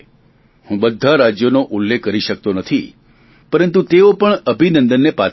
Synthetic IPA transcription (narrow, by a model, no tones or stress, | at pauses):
hũbəd̪ʱːaɾad͡ʒjonoʔulːekːəɾiʃək̚t̪onət̪ʰi | pəɾənt̪ut̪eopəɳəbʱinənd̪ənːepa